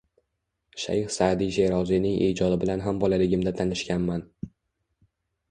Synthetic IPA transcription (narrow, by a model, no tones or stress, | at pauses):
ʃa̰jhsaːd̪iʒeɾɒzinɪŋʔḛːd͡ʒɒd̪ɪbɪlanɦambɒlalɪɡʲɪmd̪at̪ʰanɪʃkʲanman